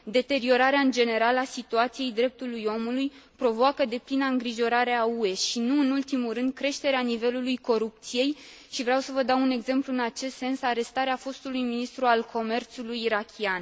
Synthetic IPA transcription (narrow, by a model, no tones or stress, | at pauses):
d̪e̞t̪e̞ɾio̞ɾaɾeaɨnd͡ʒe̞ne̞ɾalasit̪uat̪sije̞jd̪ɾe̞p̚t̪ulujo̞mulujpɾo̞voakəd̪e̞plinaɨŋɡɾiʒo̞ɾaɾe̞aue̞ʃinuɨnult̪imuɾɨnd̪̚kɾe̞ʃt̪e̞ɾeanive̞lulujko̞ɾup̚t̪sije̞j | ʃivɾawsəvəd̪awune̞ɡze̞mpluɨnat͡ʃe̞st̪se̞nsaɾe̞st̪aɾeafo̞st̪ulujminist̪ɾualkʰo̞me̞rt̪sulujːɾakʲʰian